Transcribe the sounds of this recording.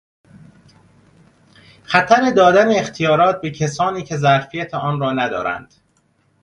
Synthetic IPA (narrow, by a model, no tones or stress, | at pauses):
xæt̪ʰæɾe̞d̪ɒːd̪æneːxt̪ʰijɒːɾɒːt̪̚be̞cʰesɒːniːcʰe̞zæɾfijæt̪ʰeʔɒːnɾɒːnæd̪ɒ̰ːɾæ̰nd̪̥